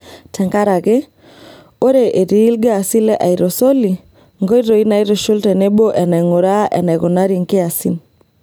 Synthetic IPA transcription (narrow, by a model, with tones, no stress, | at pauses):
tʰɛ˨ŋɡa˦ɾa˨ɣe˦ | o˦ɾe˨ʔe˨ɾi˨˦lɡaː˦˨si˦lɛ˦ʔa˨i˨ɾɔ˨so˦li˨ | ŋɡɔ˦i˦ɾo˨i˦na˨i˦ɾo˨ʃo˦ltɛ˨nɛ˦bo˦ʔɛ˨na˨ŋo˨ɾa˦ʔɛ̰˨na˨ɣo˨na˦ɾi˨ŋke˦a˨si˦n